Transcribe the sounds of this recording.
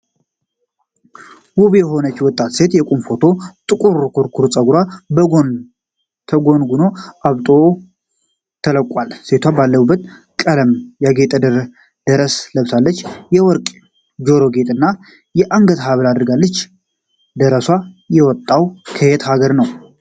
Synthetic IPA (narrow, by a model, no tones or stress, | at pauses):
wuβjɛɦo̞nət͡ʃːwɔt̪ʼːat̪se̞t̪jɛkʷʼunfo̞t̪ʰo̞t̪ʼɨkʼuɾkʰuɾkʰuɾt͡sʼəɡuɾabəɡon | t̪ʰəɡo̞nɡuno̞ʔaβt̪ʼo̞ | t̪ʰələkʼːʷalse̞t̪ʰwabalːəubːət̪ | kʼələmjaɡe̞t̪ʼəd̪əɾ | d̪̥əɾəsləβsalːət͡ʃːjɛwɔɾkʼ | d͡ʒo̞ɾo̞ɡe̞t̪ʼɨnːa | jɛʔaŋɡət̪ɦaβlad̪ɨɾɡalːət͡ʃː | d̪əɾəswajɛwɔt̪ʼːawkʰəhet̪haɡəɾnəw